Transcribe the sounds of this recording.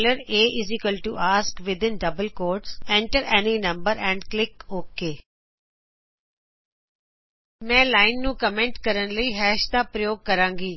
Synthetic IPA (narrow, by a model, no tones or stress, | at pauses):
ləɾeːʔɪzikəlʈuʔaːskʋɪd̪ɪ̃nɖɐbəlkoːɾɖsɛ̃ɳʈəɾɛninɐ̃mbəɾɛ̃ɳɖklɪkoːkeː | mɛ̃ːlaːɪnːũːkəmɛ̃ɳʈkəɾənləiːɦɛːʃd̪aːpɾəjoːɡ̚kɐɾãːŋɡiː